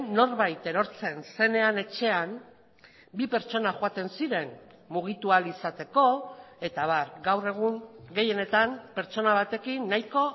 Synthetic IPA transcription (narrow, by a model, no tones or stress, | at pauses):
no̞ɾβajt̪e̞ɾo̞ɾt͡se̞nse̞ne̞ane̞t͡ʃe̞am | bipe̞ɾt͡ʃo̞naxoat̪e̞nsiɾe̞n | muɣ̞it̪ualisat̪e̞ko̞e̞t̪aβaɾɡawre̞ɣ̞uŋɡe̞je̞ne̞t̪ampe̞ɾt͡ʃo̞naβ̞at̪e̞kinːajko̞